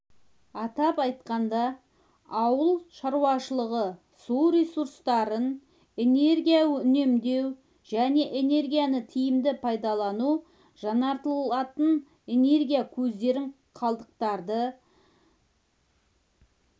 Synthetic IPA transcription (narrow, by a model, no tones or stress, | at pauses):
ɑt̪ɑpɑjt̪̚qɑnd̪ɑ | ɑwəlˠʃɑɾuɑʃəlˠəʁə | suɾʲe̞suɾst̪ɑɾən | e̞ne̞ɾɡʲijaʏne̞md̪e̞w | ʒæne̞ʔene̞ɾɡʲijanət̪ʰijɪmd̪ɪpʰɑjd̪ɑlˠɑnu | ʒ̥ɑnɑɾt̪əlˠɑt̪ən | e̞ne̞rɡʲijakʲʰɵzd̪e̞ɾɪɴ | qʰɑlˠd̪əq̚t̪ɑɾd̪ə